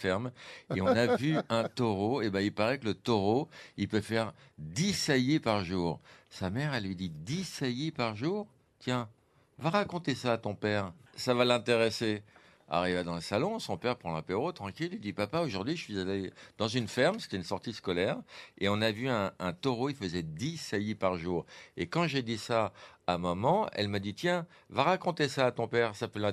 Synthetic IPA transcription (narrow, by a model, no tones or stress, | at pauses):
fɛʁmeɔ̃navyɛ̃t̪ɔʁoebɛ̃ilpaʁɛkələt̪ɔʁoilpøfɛʁd̪isajepaʁʒuːʁsamɛʁalɥid̪id̪isajepaʁʒuːʁ | t̪jɛ̃ | vaʁakɔ̃t̪esaːt̪ɔ̃pɛːʁsavalɛ̃t̪eʁese | a̰ʁivad̪ɑ̃ləsalɔ̃sɔ̃pɛʁpχɑ̃lɛ̃peʁot̪χɑ̃kʲilid̪ipapaoʒuʁd̪ɥiʒəsɥizaled̪̥ɑ̃zynfɛʁmse̥t̪ɛynsɔʁt̪iskɔlɛʁeɔ̃navyɛ̃ːt̪ɔʁoilfəzɛd̪isajipaʁʒuːʁekɑ̃ʒed̪isaːmɔmɑ̃ɛ̰lmad̪it̪jɛ̃ | vaʁakɔ̃t̪esaːt̪ɔ̃pɛʁsapølɛ̃